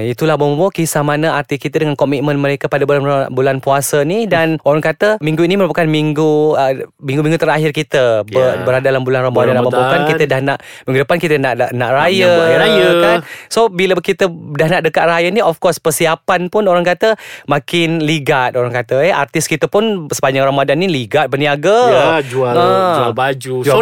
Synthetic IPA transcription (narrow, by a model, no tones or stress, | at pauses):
it̪ulahbombambokisamanəart̪ikit̪ədəŋankɔmit̪̚mə̃nməɾekapadabulanbulanpuasənidanoɾaŋkat̪əmĩŋɡuiniməɾupakanmiŋɡuəmĩŋɡumĩŋɡut̪əɾaɦɪrkit̪əəbəɾadadalambulanrambodanlababokankit̪ədahnaʔ | mĩŋɡudəpankit̪ənaʔʔnaʔrajəajəkansobiləkit̪ədahnaʔdəkaʔrajəniɔfkɔspərsiapanpʊnoɾaŋkat̪əmakɪnliɡat̪̚oɾaŋkat̪əɛa̰rt̪ɪskit̪əpʊnsə̥paɲd͡ʒaŋramadanːiliɡat̪̚bəniaɡəd͡ʒuaəabad͡ʒud͡ʒ